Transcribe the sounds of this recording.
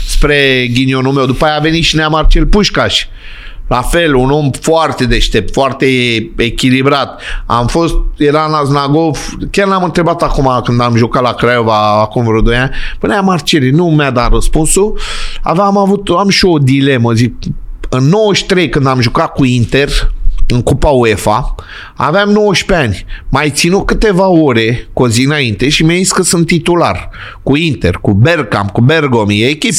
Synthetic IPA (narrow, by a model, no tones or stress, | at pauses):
spɾe̞ɡʲinio̞numewd̪upajave̞nit̪ʃineamart͡ʃelpuʃkaʃʲ | lafe̞luno̞mfoart̪e̞d̪est̪e̞p̚t̪foart̪eekʲilibɾat̪̚a̰mfo̞st̪̚jeɾanaznaɡofkʲarnamɨnt̪ɾe̞bat̪akumakɨnd̪amʒukat̪lakɾajovaːkumvɾod̪ojanʲpɨneamart͡ʃe̞linumjad̪at̪rəspunsua̰vamavut̪amʃio̞d̪ile̞məzik̚ɨnːo̞wəʃt̪ɾe̞jkɨnd̪amʒukat̪̚kuint̪e̞rɨŋkupaue̞fa | a̰veamno̞wəʃpeanʲmajt̪sinut̪̚kɨt̪e̞vao̞ɾe̞ko̞ziɨnaint̪e̞ʃimaziskəsɨnt̪ːit̪ula̰r | kuint̪e̞̰rkuberka̰mkuberɡomjeːkʲip